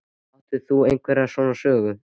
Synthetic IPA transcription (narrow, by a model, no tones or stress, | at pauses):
ɔht̪ʏθuejŋkvɛɾasɔnasœːɣʏ